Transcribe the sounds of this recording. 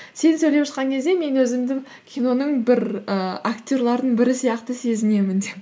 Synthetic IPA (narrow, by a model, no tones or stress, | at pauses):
se̞nsɵjlepʃəqɑŋkʲʰe̞zd̪e̞me̞nwɵzɪmd̪ɪŋ | kʲʰino̞nəɴbɪɾəakt̪ʲo̞ɾlˠɑɾd̪əɴbɪɾɪsijɑqt̪əse̞zɪne̞mɪnd̪ep